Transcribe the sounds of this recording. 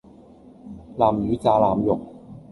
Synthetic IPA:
laː˨˩mjyː˨˥t͡saː˧laː˨˩mjo˨˩k̚

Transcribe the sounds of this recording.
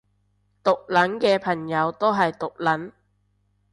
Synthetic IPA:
t̪ʊ˨k̚lɐ˨˥nkɛː˧pʰɐ˨˩ŋjɐ˨˧wt̪o˥ɦɐ˨jt̪ʊ˨k̚lɐ˨˥n

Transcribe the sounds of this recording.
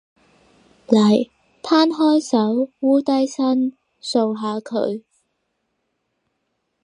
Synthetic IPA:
lɐ˨˩j | t̪ʰaː˥nɦɔː˥jsɐ˨˥wːuː˥t̪ɐ˥jsɐ˥n | so˧wɦaː˨˧kʰɵ̰˨˧˥ɥ

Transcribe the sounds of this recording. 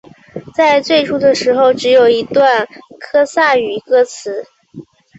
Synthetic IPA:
t͡sa˥˧ɪt͡swe˥˧ɪʈ͡ʂʰu˥d̪ə˨ʂɻ̩˧˥xo˥˧ʊʈ͡ʂɻ̩˧˥jo˨˩ʊi˧˥t̪wa˥˩nkʰɤ˥sa˥˩y˨˩kɤ˥t͡sʰɹ̩˧˥

